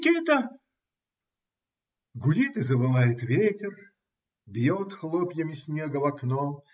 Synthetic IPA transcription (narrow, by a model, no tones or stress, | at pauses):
kʲit̪ə | ɡʊdʲit̪ɨzəvɨlˠajɪt̪vʲetʲɪr | bʲjot̪xlˠɔpʲjəmʲɪsʲnʲeɡəvɐknɔ